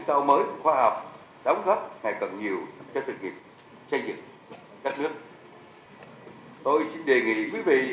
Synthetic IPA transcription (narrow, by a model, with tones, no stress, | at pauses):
sa˧wməː˨˦jxwaː˧ha˨˩wk͡p̚ | ɗa˨˦wŋ͡mzə˦˥t̚ŋa˨˩jkə̰˧˨˩nɲi˨˩əwt͡ɕɔ˧sɨ̰˧˨˩ŋi˨˩k̚ | t͡ɕa˧jŋzɨ̰˨˩t̚ | kaː˦˥k̚nɨ˦˥ək̚ | t̪o˧jsi˧nɗe˨˩ŋḭ˧˨kwi˨˦vḭ˧˨